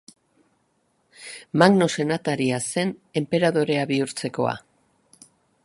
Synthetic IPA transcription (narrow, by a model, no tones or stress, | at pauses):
maɣno̞se̞nat̪aɾiase̞ne̞mpe̞ɾaðo̞ɾe̞aβiuɾt͡se̞ko̞̰a̰